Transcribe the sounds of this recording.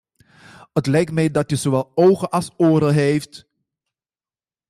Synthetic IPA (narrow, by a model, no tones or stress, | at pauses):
ətlɛjk̚tmɛjdɑtəzowʋɛlˠowχəʔɑlˠsoːɾəɦejft